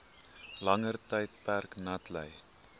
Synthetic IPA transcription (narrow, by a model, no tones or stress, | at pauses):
lɐŋərtəjt̚pærknɐtlə̰j